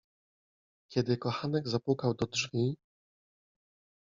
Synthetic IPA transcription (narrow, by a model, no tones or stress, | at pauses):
kʲɛd̪ɘkɔxanɛɡzapwukawd̪ɔdʐvʲi